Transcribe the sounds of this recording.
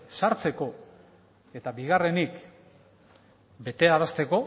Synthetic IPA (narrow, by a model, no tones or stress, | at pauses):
saɾt͡se̞ko̞ | e̞t̪aβiɣare̞nik | be̞t̪e̞aɾast̪e̞ko̞